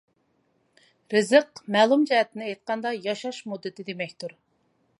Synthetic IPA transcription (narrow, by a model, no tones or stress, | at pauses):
ɾɨzəqmɛːlˠumd͡ʒɛɦɛt̪ʰɪnɪɛjt̪̚qɑnd̪ɑjɑʃɑʃmud̪ːɨt̪ʰɪd̪emɛkʲt̪uɾ